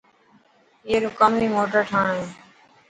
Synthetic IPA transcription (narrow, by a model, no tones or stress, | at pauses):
ieːɾʊkaːmiːmoːʈəɾʈʰaːɳːẽː